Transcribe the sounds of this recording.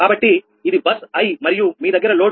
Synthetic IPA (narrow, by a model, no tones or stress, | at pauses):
aːbɐʈːi | id̪ibɐsɐjmɐɾijumiːd̪ɐɡɐɾɐlo̞ː